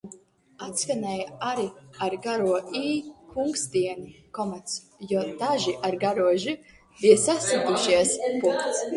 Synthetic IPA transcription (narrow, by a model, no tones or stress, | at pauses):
at̪skanɛjaɾiaɾɡaɾuɔiːkʰuŋksd̪iɛni | kɔmat̪s | jɔd̪aʒiʔaɾɡaɾuɔʒi | bijsasat̪iʃiɛspuŋkt̪s